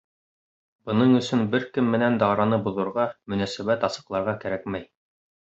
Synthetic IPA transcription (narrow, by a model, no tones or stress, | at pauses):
b̥ɤ̆nɤɴɵ̆sɵnbɘɾkɘmːɘ̆nænd̪ɑɾɑnɤbuðɤ̆ɾʁɑmɵ̆næsæβæt̪ɑsɤ̆qlˠɑɾʁɑkæɾæk̚mæj